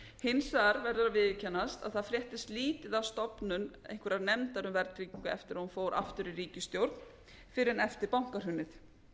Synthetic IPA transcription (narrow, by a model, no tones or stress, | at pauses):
hɪnsaɾvɛɾðʏavɪðcʰɛnːast̪aðθaðfɾjɛht̪ɪst̪liːt̪ɪðawst̪ɔpnʏnḛjŋ̥kʰvʏɾaðnɛmt̪aɾʏmvɛɾt̪ɾikʏɛ̰ft̪ɪɾaunfoːwɾʔa̰ft̪ʏɾɪriːcɪst̪jowɾ̥t̪n | fɪɾɪɾɛnɛft̪ɪɾpawŋ̥kaɾ̥hʏnːɪθ